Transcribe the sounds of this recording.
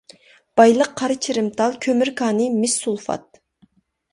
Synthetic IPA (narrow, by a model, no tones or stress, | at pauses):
b̥ɑjlˠəqʰːɑɾɨt͡ʃʰiɾɪmt̪ɑlˠkʲʰømyɾkʰɑːnɨmɪsːulˠfɑ̰t̪̚